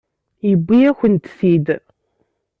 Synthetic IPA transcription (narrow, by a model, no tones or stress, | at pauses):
jəbʷːijæçənt̪sid̪